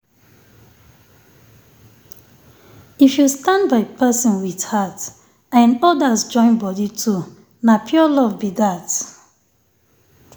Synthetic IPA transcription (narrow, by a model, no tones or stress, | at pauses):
ifjustãndbaɪpʰɛsɔ̃nwid̥hat | ãnɔdasd͡ʒɔ̃ɪ̃nbɔditʰu | napʰjuɔlɔvbidat